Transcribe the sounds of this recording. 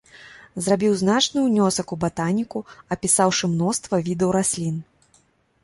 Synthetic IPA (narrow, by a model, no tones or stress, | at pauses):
zrabʲiwznat͡ʂnɨjunʲɔsɐkubat̪anʲikuɐpʲisawʂɨmnɔst̪vɐvʲid̪əwɾasʲlʲin